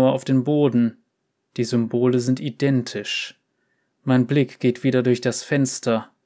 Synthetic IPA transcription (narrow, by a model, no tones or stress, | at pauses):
ɐaʊfd̥eːnboːdn̩ | d̥iːzʏmboːləzɪntidɛntʰɪʃ | maɪnblɪkɡ̥eːtv̥iːdɐdʊɐçd̥asfɛnstʰɐ